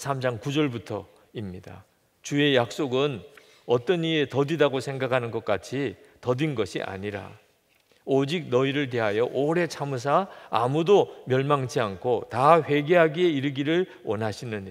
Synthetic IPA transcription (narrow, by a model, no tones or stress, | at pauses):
sʰamd͡ʑaŋkud͡ʑʌɭbutʰʌ | imɲida̰ | t͡ɕue̞jak̚s͈oɡɯn | ʌt͈ʌɲietʌdidaɡosʰe̞ŋɡakʰanɯnɡʌt̚k͈at͡ɕʰitʌdinɡʌɕʰḭʔa̰ɲiɾa̰ | od͡ʑik̚nʌiɾɯɭt̬e̞ɦajʌʔoɾe̞t͡ɕʰamus̬ʰa̰ːmudomjʌɭmaŋt͡ɕʰiankʰotaɸwe̞ɡe̞ɦaɡieiɾɯɡiɾɯɭ | wʌnɦaɕʰinɯɲ